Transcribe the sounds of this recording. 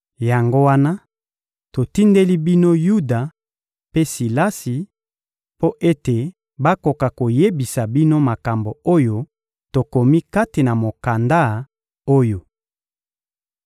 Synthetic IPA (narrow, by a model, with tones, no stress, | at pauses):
ja˨ŋɡo˦wa˦na˦ | to˨ti˦nde˦li˦bi˦no˦ju˦da˨ | pe˦si˨la˦si˨ | po˦ʔe˦te˨ | ba˦ko˨ka˨ko˨je˦bi˨sa˨bi˦no˦ma˨ka˨mbo˨o˦jo˦ | to˨ko˨mi˦ka˦ti˨na˨mo˨ka˨nda˦ | o˦jo˨